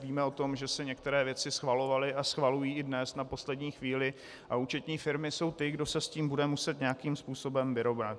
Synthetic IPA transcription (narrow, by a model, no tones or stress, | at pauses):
viːmɛo̞t̪o̞mʒɛsɛɲɛk̚t̪ɛɾɛːvjɛt͡sɪsxvalo̞valɪʔasxvalujiːɪdnɛsnapo̞slɛdɲiːxviːlɪ | ʔauːt͡ʃɛt̪ɲiːfɪɾmɪso̞wt̪ɪɡdo̞sɛsciːmbudɛmusɛt̪ɲɛakiːmspuːso̞bɛmvɪɾo̞vnat̪̚